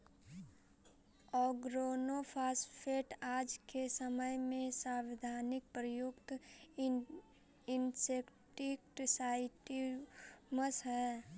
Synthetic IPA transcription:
ɔɡɾoːnopʰaːspʰeːʈaːd͡ʒkesəməjmẽsãwɪd̪ʱaːnɪk̚pɾəjukt̪ | ɪnsekʈɪk̚ʈsaːɪʈi | məsɦɛ

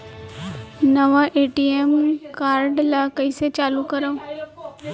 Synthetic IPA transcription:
nəʋaʔeʈiemkaːɾɖlakəiset͡ʃaːlukəɾəʋ

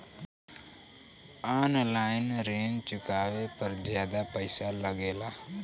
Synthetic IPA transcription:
aːnlaːɪnɾeːnt͡ʃʊkaːʋeːpəɾzjaːd̪aːpəɪsaːləɡeːlaː

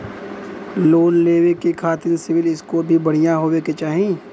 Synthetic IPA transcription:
loːnleːwekekʰaːt̪ɪnsɪʋɪlɪskobʱibɐɽ̤ijaɦoːweket͡ʃaːɦĩ

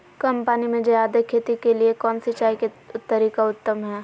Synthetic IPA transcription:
kɐmpanimẽd͡ʒɐjaːd̪ekʰːeːt̪ikeliekɔːnsɪt͡ʃaːike | t̪ːɐɾiːkaʊt̪ːəmɦɛː

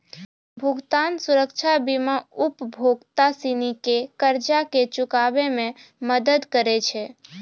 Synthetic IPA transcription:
bʱuɡt̪ansuɾəkt͡ʃʰabimaupbʱoɡt̪asinikekəɾd͡ʒaket͡ʃʊkabemẽməd̪əd̪kəɾɛt͡ʃʰɛ

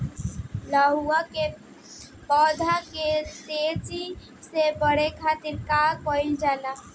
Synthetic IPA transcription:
laɦuake | pɔːd̪ʱaket̪eːt͡ʃi | sebəɽ̤ekʰaːt̪ɪɾkaːkoind͡ʒaːla

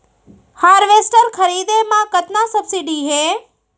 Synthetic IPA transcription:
haːɾʋeːsʈəɾkʰəɾiːd̪emãkɐt̪nasɐbsiɖiɦeː

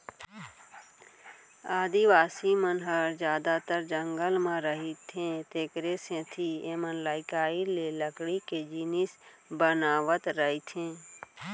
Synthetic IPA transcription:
aːd̪iʋaːsimənɦəɾd͡ʒjaːd̪at̪əɾd͡ʒə̃ŋɡəlmãɾəɦit̪ʰẽt̪eːkɾesẽt̪ʰiemənlaːɪkaːileləkɽiked͡ʒinɪs | bənaːʋət̪ɾəɦit̪ʰẽː

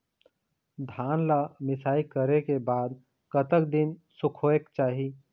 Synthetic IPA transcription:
d̪ʱanlamɪsaːikəɾekebaːd̪ | kət̪əkd̪insukʰoekt͡ʃaːɦi

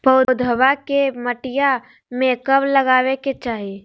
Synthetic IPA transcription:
pəd̪ʱəʋakeməʈɪja | mẽkəbləɡaːʋeket͡ʃaːɦie

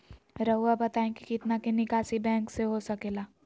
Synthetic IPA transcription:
ɾɐɦuabɐt̪aːẽkikɪt̪nakenɪkaːsibɛ̃ːŋkseɦosɐkeːlaː

